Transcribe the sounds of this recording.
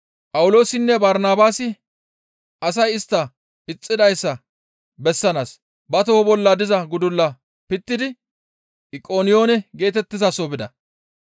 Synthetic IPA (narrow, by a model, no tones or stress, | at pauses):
pʼɐwʊlo̞ːsɪnːɛbɐɾnaːbaːsɪ | ʔɐsɐjɪst̪ːɐ | ɪt͡sʼːɪd̪ɐjsːɐ | bɛsːɐnaːs | bɐt̪ɔɔbɔlːɐd̪ɪzɐɡʊd̪ʊlːɐ | pɪt̪ːɪd̪ɪ | ɪkʼo̞ːnɪjo̞ːnɛɡe̞ːt̪ɛt̪ːɪzɐsobɪd̪ɐ̰